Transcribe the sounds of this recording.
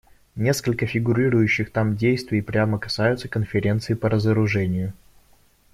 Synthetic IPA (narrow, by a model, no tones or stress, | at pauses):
nʲe̞skəlʲkəfʲɪɡʊɾʲiɾʊjʉɕːɪxt̪amdʲejst̪vʲɪpɾʲaməkɐ̥sajʊt̪səkənfʲɪɾʲe̞nt̪sɨɪpəɾəzəɾʊʐɛnʲɪjʊ